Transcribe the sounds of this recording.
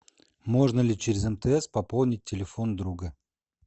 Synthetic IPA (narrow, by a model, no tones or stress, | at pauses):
mo̞ʐnəlʲɪt͡ɕɪɾʲɪzɛmt̪əɛspɐpolˠnʲɪt̚ʲːɪlʲɪfond̪ɾuɡə